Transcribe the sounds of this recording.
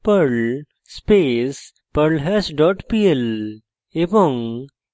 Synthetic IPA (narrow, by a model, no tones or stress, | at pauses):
pəɾl | spes | pəɾlɦɛsɖɔʈpiel | eʋɔ̃ŋ